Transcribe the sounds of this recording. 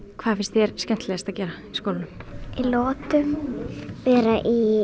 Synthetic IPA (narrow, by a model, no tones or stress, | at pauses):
kʰvaːðfɪ̥nst̪θjɛɾscɛn̥t̪lɛɣast̪acɛːɾaiskoːwlɪnʏmilɔːt̪ʏm | pɛɾaʔi